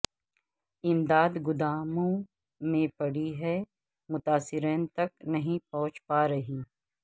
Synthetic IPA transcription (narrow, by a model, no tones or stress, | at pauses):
ɪmd̪aːd̪ɡʊd̪aːmõ | mẽpɐɽiɦɛ | mʊt̪aːsɪɾeːnt̪ɐk̚nɐɦĩpɐ̃ɦʊ̃t͡ʃpaːɾɐɦiː